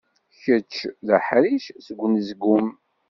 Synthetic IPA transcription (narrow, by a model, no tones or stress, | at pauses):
çət͡ʃːðəħɾiʃsəɡʷːnzɡum